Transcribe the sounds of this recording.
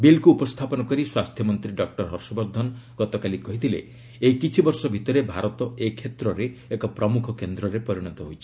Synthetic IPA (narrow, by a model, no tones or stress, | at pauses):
bilkuːpɔst̪ʰapɔnɔkɔɾiswast̪ʰjɔmɔnt̪ɾiɖɔk̚ʈɔɾɦɔɾsɔbɔɾd̪ʱɔnɔɡ̥ɔt̪ɔkalikɔɦit̪ʰilḛ | ekit͡ʃʰibɔɾsɔbʱit̪ɔɾebʱaɾɔt̪ɔekʰːet̪ɾɔɾeekɔpɾɔmukʰɔkend̪ɾɔɾepɔɾiɽ̃ɔt̪ɔɦojt͡ʃʰi̥